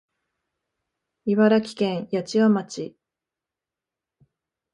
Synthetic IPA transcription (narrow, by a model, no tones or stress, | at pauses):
iβaɾakʲi̥kẽ̞ɰ̃jat͡ɕiβamat͡ɕi